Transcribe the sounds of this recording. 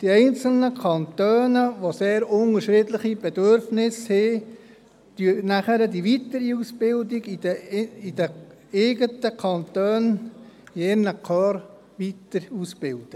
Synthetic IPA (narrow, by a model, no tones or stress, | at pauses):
d̪̥iɛɪnt͡sl̩nəkʰɑnt̪øːnəʋoseːɾʊŋəʃɾɪdlɪχibɛd̪øɾfnɪshe | d̪̥ynæχəɾədiʋit̪əɾiusb̥ɪld̪iɡidəid̥ə | eːɡət̪əkʰɑnt̪øːn | eːnəkʰœːɾ | ʋit̪əɾusb̥ɪld̥ə